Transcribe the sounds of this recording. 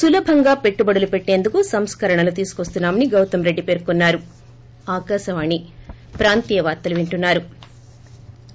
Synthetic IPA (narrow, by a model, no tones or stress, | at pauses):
sulɐbʱɐŋɡaːpe̞ʈːubɐɽulupeʈːe̞ːnd̪ukusɐmskɐɾɐɳɐlut̪iːsu̥kʋɐst̪unːaːmɐniɡɐwt̪ɐmɾe̞ɖːipeːɾkunːaːɾu | aːkaːʃɐʋaːni | pɾaːnt̪iːjɐʋaːɾt̪ːɐluʋeɳʈunːaːɾu